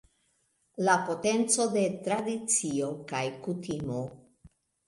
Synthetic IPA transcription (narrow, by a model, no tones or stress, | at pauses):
lapo̞te̞nt͡so̞de̞tɾadit͡sio̞kajkutimo